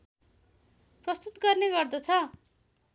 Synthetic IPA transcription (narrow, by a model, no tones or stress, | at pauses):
prʌst̪ut̪ɡʌrneɡʌrd̪ʌt͡sʰʌ